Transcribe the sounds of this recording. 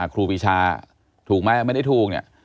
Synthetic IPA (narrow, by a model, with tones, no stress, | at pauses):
a˨˩kʰɾuː˧wiː˧t͡ɕʰaː˧ | t̪ʰuː˨˩k̚ma˦˥˩la˧˩ma˥˩jda˥˩t̪ʰuː˨˩k̚nḭ˦˧˩ɐ